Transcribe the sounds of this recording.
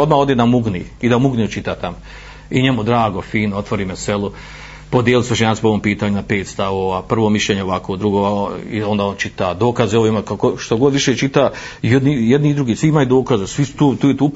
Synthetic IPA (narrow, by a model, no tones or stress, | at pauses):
od̪maːo̞d̪enamuɡniid̪amuɡniut͡ʃit̪aːt̪amo | iɲemud̪ɾaːɡo̞fiːnoot̪ʋoɾiːmeselˠu | pod̪jelisɾoʃɲaːt̪ɪ̥poʋompiːt̪aːɲunapeːt̪st̪aʋoʋaːpr̩ʋoːmiʃʎʲeːɲeoʋakoːd̪ɾuɡoːaḭond̪aːont͡ʃit̪ad̪o̞ːkazeoʋimakakoʃt̪oɡod̪ʋiʃet͡ʃit̪a | jed̪nijed̪niːd̪ɾuɡiːsʋiimajud̪o̞ːkazasʋisu̥t̪uːt̪uːjet̪uː